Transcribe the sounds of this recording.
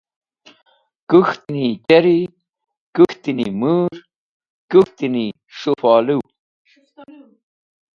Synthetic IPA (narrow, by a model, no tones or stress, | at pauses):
kuxt̪init͡ɕɐɾi | kuxt̪inimuɾ | kuxt̪ini | ʂufɑːluw